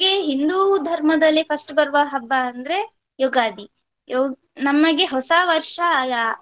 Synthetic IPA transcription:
eɦind̪uːd̪ʱɐɾmɐd̪ɐlːipʰɐsʈbɐɾʋɐɦɐbːɐːnd̪ɐɾe | joːɡaːd̪i | jo | nɐmːɐɡeɦɔsɐʋɐɾʂɐjaː

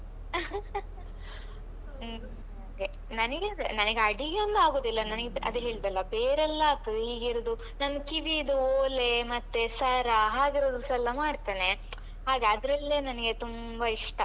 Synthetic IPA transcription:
ɦaːɡenɐnɐɡenɐnɐɡeɐɽiɡeond̪aːɡo̞ːd̪ilːɐnɐnɐɡeɐ̰d̪uɦeːɭd̪ɐlːɐbeːɾɛlːɐaːk̚t̪ɐd̪eɦiːɡiɾoːd̪unɐnːɐkiʋid̪uoːlemɐt̪ːesɐɾɐɦaːɡiɾod̪usɐlːɐmaːɖt̪ane̞ | ɦaːɡeɐd̪ɾɐlːeːnɐnɐɡe̞t̪umbɐiʂʈɐ

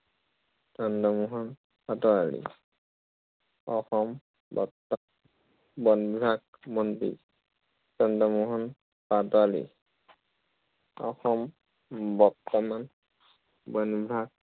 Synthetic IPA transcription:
tandamɔɦɔn | patɔalḭ | ɔxɔm | bɔ̰t̪ | bɔnbʱɾak̚bɔndḭ | tɔndamɔɦɔn | patɔalḭ | ɔ̰xɔm | bɔɾt̪ɔman | bɔnbɾak̚

